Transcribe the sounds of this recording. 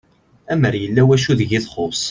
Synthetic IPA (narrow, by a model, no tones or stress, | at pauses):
æməɾjəlːæwæʃ̬uðəʝɪðˤχosˤ